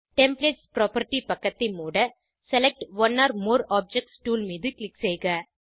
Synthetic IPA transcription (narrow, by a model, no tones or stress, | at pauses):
ʈɛmpleːʈspɾoːpɐɾʈːipɐkːɐt̪ːɪmuːɽɐ | sɛlɛk̚ʈʋɐnːaːɾmoːɾaːb̚d͡ʒɛk̚ʈsʈuːlmiːðɯklɪkseːɣɐ